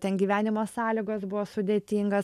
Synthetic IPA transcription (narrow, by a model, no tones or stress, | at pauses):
t̪ʲɛnɡʲiːʋʲæːnʲɪmoːsɑːlʲiɡoːsbʊʋoːsʊd̪ʲeːt̪ʲiːŋɡɐ